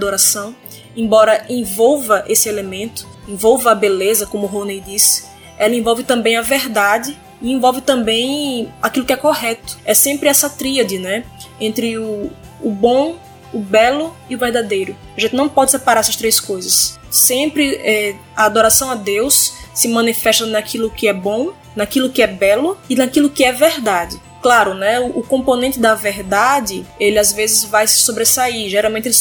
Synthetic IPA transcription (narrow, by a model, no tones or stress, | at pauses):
d̪oɾasɐ̃w̃ | ẽbɔɾɐʔẽvɔwvɐʔesɪelemẽnt̪ʊ̥ẽvɔwvɐɐbelezɐkõmʊɦonejd̪isɪ̥ | ɛlɐẽvɔwvɪt̪ɐ̃mbẽj̃ɐveɾd̪ad͡ʒɪ | iẽvɔwvɪt̪ɐ̃mbẽj̃akilʊkɪɛkoɦɛt̪ʊ̥ɛsẽmpɾɪɛsɐt̪ɾiɐd̪ɪnɛ | ẽnt̪ɾɪʊː | bõː | bɛlʊ | ɪʊveɾd̪ad̪ejɾʊ | aʒẽnt̪ɪnɐ̃w̃pɔd͡ʒɪsɛpaɾaɾɛsɐst̪ɾejskojzɐsː | ẽpɾɪɛ | aːd̪oɾasɐ̃w̃ɐd̪ewssɪmɐ̃nifɛʃt̪ɐnakilʊkɪɛbõ | nakilʊkɪɛbɛlʊɪnakilʊkɪɛveɾd̪ad̪ɪ | klaɾʊnɛʊʔːkõmponẽnt̪ɪd̪ɐveɾd̪ad̪ɪelɪazvezɪzvajsɪ̥sobɾesaiʒɛɾawmẽt̪e